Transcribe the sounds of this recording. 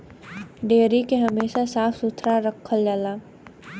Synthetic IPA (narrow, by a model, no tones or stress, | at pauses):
ɖeːɾikeɦɐmeːʃasaːfʰsut̪ʰɾaɾəkʰːəld͡ʒalaː